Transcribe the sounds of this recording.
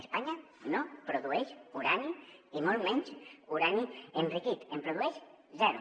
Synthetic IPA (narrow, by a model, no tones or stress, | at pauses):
espaɲa | nopɾoðuɛʃuɾaniimolˠmɛɲt͡ʃuɾanienrikit̪empɾoðuɛʃ | zɛɾṵ